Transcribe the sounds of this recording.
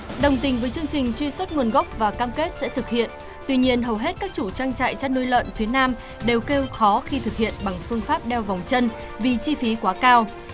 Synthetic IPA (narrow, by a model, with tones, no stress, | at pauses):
ɗə˨˩wŋ͡mt̪ï˨˩ŋ̟vəː˨˦jt͡ɕɨ˧əŋt͡ɕï˨˩ŋ̟t͡ɕwi˧swə˦˥t̚ŋu˨˩ənɣə˦˥k͡p̚vaː˨˩kaː˧mke˦˥t̚sɛ̰˧˥t̪ʰɨ˨˩k̚hḭ˧˨ən | t̪wi˧ɲi˧ənɦə˨˩wɦe˦˥t̚kaː˦˥k̚t͡ɕu˧˩t͡ɕaː˧ŋt͡ɕa̰ː˧˨jt͡ɕaː˧nu˧jlə̰ː˧˨nfi˨˦ənaː˧m | ɗe˨˩wke˧wxɔ˨˦xi˧t̪ʰɨ˨˩k̚hḭ˧˨ənɓa˨˩ŋfɨ˧əŋfaː˦˥p̚ɗɛ˧wva˨˩wŋ͡mt͡ɕə˧n | vi˨˩t͡ɕi˧fi˨˦kwaː˨˦kaː˧w